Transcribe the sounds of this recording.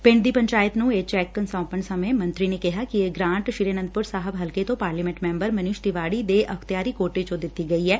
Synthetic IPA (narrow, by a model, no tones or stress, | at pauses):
pɪ̃ɳɖd̪iːpəɲt͡ʃaːjət̪nũːeːt͡ʃɛːkːənsɔ̃ːpəɳsəmẽːmə̃nt̪ɾiːneːkɪɦaːkɪeɡɾãːɳʈʃɪɾeːnə̃nd̪̚pʊɾsaːɦəbɦəlket̪õːpaːɾliːmɛ̃ɳʈmɛ̃ːmbəɾmənʊʃt̪ɪʋaːɽiːd̪eːʔəkʰt̪ɪjaːɾiːkoːʈet͡ʃõːd̪ɪt̪ːiːɡəiːɛː